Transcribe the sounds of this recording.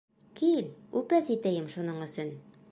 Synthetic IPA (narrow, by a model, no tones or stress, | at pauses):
kilʉpæsit̪æjɘmʃunɤɴɵ̆sɵn